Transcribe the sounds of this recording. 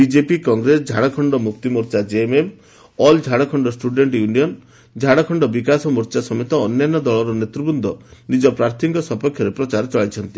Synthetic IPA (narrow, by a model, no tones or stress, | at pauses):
bid͡ʒepikɔŋɡɾesd͡ʒʱaɽɔkʰɔɳɖɔmukt̪imɔɾt͡ʃad͡ʒeemem | ɔld͡ʒʱaɽɔkʰɔɳɖɔsʈuɖeɳʈjuniɔn | d͡ʒʱaɽɔkʰɔɳɖɔbikasɔmɔɾt͡ʃasɔmet̪ɔːnjanːɔd̪ɔɭɔɾɔnet̪ɾubund̪ʱɔnid͡ʒɔpɾaɾt̪ʰikɔsɔpɔkʰjɔɾepɾɔt͡ʃaɾɔt͡ʃɔɭajt͡ʃʰɔnt̪i